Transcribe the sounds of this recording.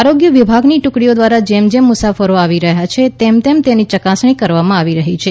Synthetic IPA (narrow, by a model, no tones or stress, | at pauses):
aɾoɡjəʋibʱaɡniʈʊkɽiod̪ʋaɾad͡ʒemd͡ʒemʊsafəɾoaʋiɾəɦjat͡ʃʰet̪emt̪emt̪enit͡ʃəkasɳ̃ikəɾʋamãaʋiɾəɦit͡ʃʰe